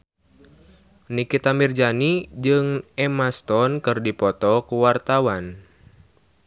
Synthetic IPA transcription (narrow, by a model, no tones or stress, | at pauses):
nikit̪amird͡ʒanid͡ʒɨŋɛmast̪ɔnkɨrdipɔt̪ɔkuwart̪awan